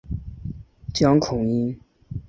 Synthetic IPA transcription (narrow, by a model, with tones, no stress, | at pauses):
t͡ɕjɑ˥ŋkʰʊ˨˩˦ŋi˧˥